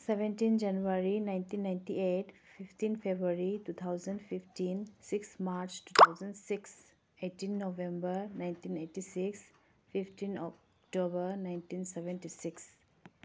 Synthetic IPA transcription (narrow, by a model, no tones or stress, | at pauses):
sebẽntind͡ʒɐnuaɾinajntinːajntietpʰipʰtinpʰebɾuaɾitut̪ʰawzəndpʰipʰtinsiksmaɾt͡ʃtut̪ʰawzəndsiks | etinːobẽmbəɾnajntinetisiks | pʰipʰtinɔk | tobəɾnajntinsebentisiks